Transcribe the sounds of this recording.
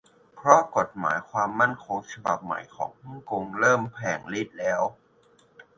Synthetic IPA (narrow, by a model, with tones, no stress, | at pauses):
pʰɾɔ˦˥ko˨˩t̪̚ma̰ː˩˦jkʰwaː˧mːa˥˩nkʰo˧ŋt͡ɕʰa˧ba̰˨˩p̚ma̰˨˩jkʰɔ̰ː˩˦ŋhu˥˩ŋko˧ŋɾɤː˥˩mpʰɛː˨˩ŋli˦˥˩t̪̚lɛː˦˥w